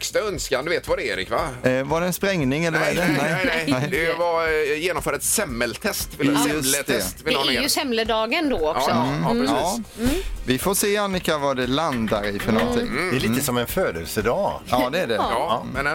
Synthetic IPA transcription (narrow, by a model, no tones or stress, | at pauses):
kst̪aœnskand̪ʉveːt̪vad̪ɛeːɾɪ̰kvavaɖɛːnspɾɛŋnɪŋɛlːəɾvaɛdɛnɛɪɛɛɪd̪ɛvajeːnɔmfœːɖaɛt̪sɛmːɛlt̪ʰɛst̪vɪlɵlt̪ɛst̪vɪlːjsɛmləd̪ɑːɡənd̪oɔksɔɾsː | vɪfoseːanːɪkavaɖɛland̪aɾɪfœnɔnt̪ʰɪ̰ŋɛliːt̪əsɔmɛnføːd̪əlsəd̪ɑːɑːd̪ɛːɖɛmɛn